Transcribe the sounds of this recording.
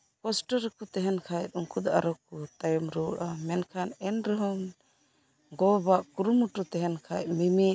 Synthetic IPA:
pɔsʈɔɾkut̪ɛɦɛnkʰajt̪̚uŋkud̪aʔa̰ɾɔkut̪ajɔmɾuɔɽamɛnkʰanɛnɾɔɦɔm | ɡɔbaʔkuɾumuʈut̪ɛɦɛnkʰajt̚mimi

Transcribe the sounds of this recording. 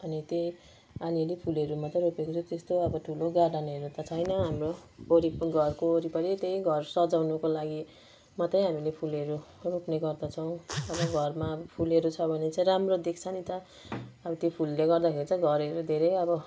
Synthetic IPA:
ʌnit̪ej | aniʌlipʰulʌɾumat̪ʌɾopekot͡sʰʌt̪est̪oʌbʌʈʰuloɡaɖaniɦʌɾut̪ʌt͡sʰʌjnʌɦamrooɾipɡʌrkooɾipʌɾit̪ejɡʱʌrsʌd͡zawnukolaɡi | mat̪ʌj̃ɦamilepʰulʌɾuropneɡʌrd̪ʌt͡sʰʌw̃ʌbʌɡʱʌrmabʌpʰuleɾut͡sʰʌbʱʌnet͡sãĩɾamrod̪ekt͡sʰʌnit̪ʌː | bʌt̪jopʰulːeɡʌrd̪akʰeɾit͡sʌj̃ɡʱʌɾʌɾud̪ʱeɾʌjʌbʌ

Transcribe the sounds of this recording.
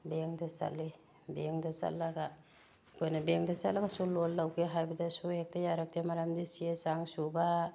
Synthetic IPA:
beŋdasa̰lːi | beŋdasa̰lːaɡa | kʰojnɐbeŋdasa̰laɡasulolːawkʰeɦajbɐdɐsuek̚tajaɾak̚temaɾamdisiesaŋsuba

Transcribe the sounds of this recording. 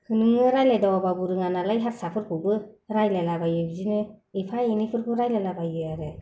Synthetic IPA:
hɯnɯŋɯɾajlajdawababuɾɯŋanalajɦat̚sapʰɯɾkʰɯbɯɾajlalabajɯbzinɯepʰajenipʰɯɾpʰɯɾajlalabajɯjaɾɯ

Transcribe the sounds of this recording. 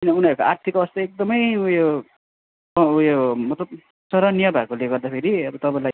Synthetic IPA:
inʌunʌɾkaart̪ʰikʌbʌst̪aek̚d̪ʌmʌjujo | ʌujomʌt̪lʌb | sʌɾʌnijʌbʱakoleɡʌrd̪apʰeɾiʌbʌt̪ʌpãlaj

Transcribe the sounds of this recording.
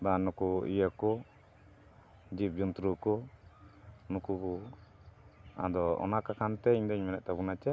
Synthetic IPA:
banɔkuḭjakɔ | d͡ʒip̚d͡ʒɔnt̪ɾukɔ | nukubu | a̰d̪ɔɔ̰nakakant̪ɛiɲd̪ɛɲmɛnɛʔ̚t̪abunat͡ʃa

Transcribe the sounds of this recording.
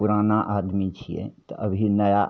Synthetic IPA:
ʊɾaːnaʔaːd̪mit͡ʃʰḭjḛt̪ɔʔəbʱinəja

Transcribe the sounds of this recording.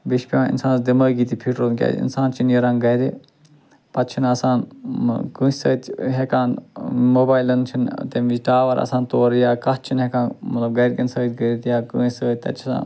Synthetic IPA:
biʃpʲiãːnḭnsaːnsd̪imɐːɡiːt̪ipʰiʈɾoːnkʲa̰ːḭnsaːnt͡ʃʰinjɐɾɐ̃ːŋɡɐjɾe | pɐt̪t͡ʃʰinɐsãːnkũːsəːt̪ɦekaːnmoːbaːjlɐnt͡ʃʰint̪emiʈaːʋɐɾɐ̰saːnt̪oːɾjaːkɐt͡ʃʰinɦekãːnmɐt̪lɐbɡɐjɾkɐnsɐːt̪ɡəɾit̪jaːkəːsəːt̪ɐ̰t̪t͡ʃʰisa̰ːn

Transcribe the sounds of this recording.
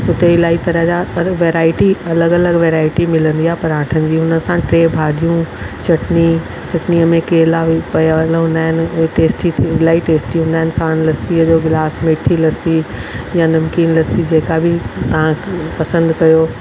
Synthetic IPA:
ʊt̪eɪlaːit̪ɐɾə̃ɦd͡ʑaɐʋeːɾaːɪʈiɐləɡɐləɡʋeːɾaːɪʈimɪlə̃nd̪iaːɦpɐɾãːʈʰənɪ̆d͡ʑiːɦʊnə̆sãʈɾeːbʱaːd̪ʱijũt͡ɕɐʈni | t͡ɕɐʈniəmẽkeːlaʋpɐjlɦũːnd̪aːɦɪnɪ̆ʊɦeʈeːsʈit̪ʰɪlaːiʈeːsʈiɦũːnd̪aːɦɪnɪ̆saːɽ̃lɐsiəd͡ʑoːɡɪlaːsmeːʈʰilɐsijãnɐmkiːnlɐsid͡ʑeːkabʱɪt̪ɐɦãpɐsə̃nd̪kɐjoː

